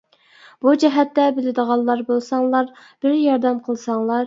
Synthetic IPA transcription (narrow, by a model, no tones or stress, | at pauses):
b̥ud͡ʒɛɦɛt̪ːɛbɪlɪd̪əʁɑlˠːɑɾbolˠsɑŋlˠɑɾ | b̥ɪɾjɑɾd̪ɛmqʰəlˠsɑŋlˠɑɾ